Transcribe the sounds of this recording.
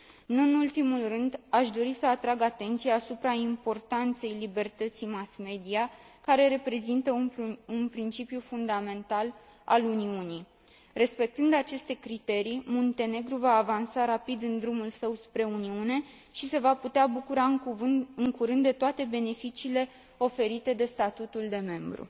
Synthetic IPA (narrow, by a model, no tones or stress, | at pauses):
nuɨnult̪imulrɨnd̪aʃd̪o̞ɾisəat̪ɾaɡat̪e̞nt̪sijaːsupɾaimpo̞rt̪ant̪se̞jlibe̞rt̪ət̪simasme̞d̪ia | kaɾe̞ɾe̞pɾe̞zint̪əuunpɾint͡ʃipjufund̪ame̞nt̪al | a̰luniunij | re̞spe̞k̚t̪ɨnd̪at͡ʃe̞st̪e̞kɾit̪e̞ɾijmont̪e̞ne̞ɡɾuvaːvansaɾapid̪ɨnd̪ɾumulsəwspɾe̞uniune̞ | ʃise̞vaput̪eabukuɾa | ɨŋkuɾɨnd̪d̪e̞t̪oat̪e̞be̞ne̞fit͡ʃiːle̞ | o̞fe̞ɾit̪e̞d̪e̞st̪at̪ut̪uld̪e̞me̞mbɾṵ